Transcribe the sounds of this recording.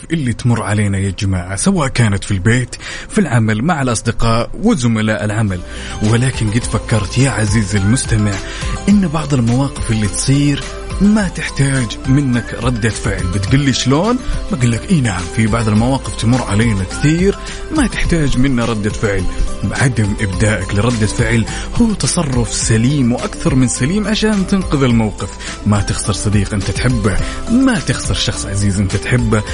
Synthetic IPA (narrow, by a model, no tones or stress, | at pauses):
ʔɪlːit̪mʊrˤːʕaleːnajad͡ʒɪmaːʕasawaːʔkaːnat̪filbeːt̪ | filʕamalmaʕalʔɑsˤd̪ɪqɑːʔwɪzʊmalaːʔɪlʕamal | wɪlaːkɪnɡɪt̪fakːɑɾˤt̪jaʕaziːzɪlmʊst̪amɪʕ | ʔɪnːbɑʕðˤɪlmawɑːqɪfɪlːit̪sˤiːɾ | mat̪ɪħt̪aːd͡ʒmɪnːakɾˤɑd̪ːafɪʕlbɪt̪ɡʊlːiʃloːnbaɡʊlːakʔiːnaʕamfibɑʕðˤɪlmawɑːqɪft̪amʊrˤːʕaleːnakθiːɾ | mat̪ɪħt̪aːd͡ʒmɪnːaɾˤɑd̪ːafɪʕlʕad̪amʔɪbd̪aːʔaklɪɾˤɑd̪ːafɪʕlhuːt̪ɑsˤɑrˤːʊfsaliːmwʔakθɑɾˤmɪnsaliːmʕaʃaːnt̪ɪnqʊðɪlmawqɪf | mat̪ɪxsɑɾsˤɑd̪iːqʔɪnt̪at̪ħɪbːamat̪ɪxsɪɾʃɑxsˤʕaziːzʔɪnt̪at̪ħɪbːa